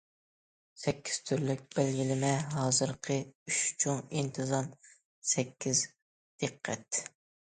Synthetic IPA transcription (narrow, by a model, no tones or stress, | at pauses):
sɛkʲːi̥z̥t̪ʰyɾlɪk̚ʲb̥ælɡʲilɪmɛɦɑːzɨɾqʰəyʃt͡ʃʰoŋint̪ʰɨzɑn | sɛkʲːiz | d̪̥əqʰːɛ̰t̪̚